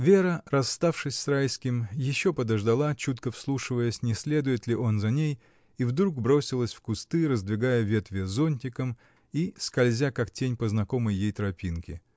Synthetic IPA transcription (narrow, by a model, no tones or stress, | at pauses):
vʲe̞ɾərɐsːt̪afʂɨsʲsrajskʲɪmjɪɕːo̞pəd̪əʐd̪ɐlˠat͡ɕut̪kəfslˠuʂɨvəjəsʲnʲɪsʲlʲe̞d̪ʊjɪt̪lʲɪʔo̞nzɐnʲej | ivd̪ɾuɡbɾo̞sʲɪlˠəsʲfkʊst̪ɨɾəzd̪vʲɪɡajəvʲe̞t̪vʲɪzo̞nʲtʲɪkəm | iskɐlʲzʲakaktʲenʲpəznɐko̞məjːejt̪ɾɐpʲinkʲɪ